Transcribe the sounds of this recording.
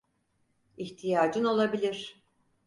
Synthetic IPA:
içt̪ʰijaːd͡ʒɯno̞lˠabilʲiɾ̥

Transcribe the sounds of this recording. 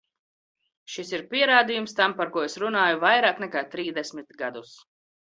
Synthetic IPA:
ʃisiɾpʲiɛɾaːd̪ijumst̪ampaɾkuɔesɾunaːjuvajɾaːknɛkaːt̪ɾiːzd̪esʲmʲit̪ɡad̪us

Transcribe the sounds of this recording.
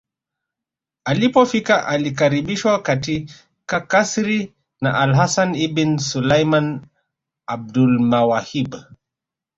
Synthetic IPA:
alipɔfikaʔalik̬aɾiɓiʃwakati | kakasɾi | na̰ʔalɦasanibinsulajman | ab̚dulmawahib

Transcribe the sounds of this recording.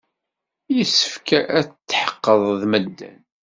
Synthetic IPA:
jəsːə̥fkæʔæt͡st͡sːħə̥qːəðˤðməd̪ːæ̰n

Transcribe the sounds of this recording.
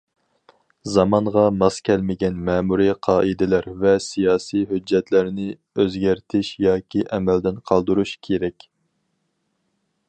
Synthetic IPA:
zɑmɑɴʁɑmɑskʲʰɛlmɪɡʲɛnmɛːmuɾiqʰɑːʔɨd̪ɪlæɾvɛsijɑːsijɦød͡ʒːɛt̪ʰlæɾnɪ | øzɡʲæɾt̪ʰɪʃjɑːkʲiʔɛmɛld̪ɪnqʰɑlˠd̪uɾuʃkʲʰeɾɛkʲ

